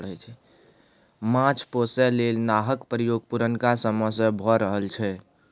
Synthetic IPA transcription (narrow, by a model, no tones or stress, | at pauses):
ɽət͡ʃʰɛ | mãt͡ʃʰposɛlelnaɦəkpəɾijoɡ̚puɾənkasəməsə̃bʱɔɾəɦəlt͡ʃʰɛ